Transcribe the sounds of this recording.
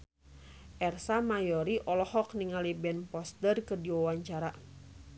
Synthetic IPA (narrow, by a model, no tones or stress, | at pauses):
ʔɛrsamajɔɾiʔɔlɔhɔk̚niŋalibɛnpɔst̪ərkɨrdiwawaɲt͡ʃaɾa